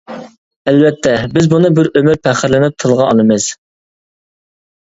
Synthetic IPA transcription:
ælvɛt̪ʰːɛbɪzbunɨbɪɾømyɾpʰæχəɾlɪnɪp̚t̪ʰɨlˠʁɑɑlˠɨmɨz̥

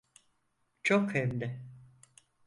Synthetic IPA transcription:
t͡ʃʰokhɛmd̪ɪ

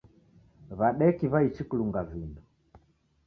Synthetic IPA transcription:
βaɗɛkiβait͡ʃikuluŋɡavindɔ

